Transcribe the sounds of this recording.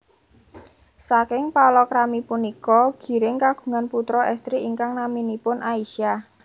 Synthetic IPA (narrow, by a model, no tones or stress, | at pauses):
sakɪŋpalɔkɾamipunikɔɡ̥i̤ɾɪŋkaɡ̥u̥̤ŋanput̪ɾɔʔɛst̪ɾiiŋkaŋnaminipʊnʔaiʃia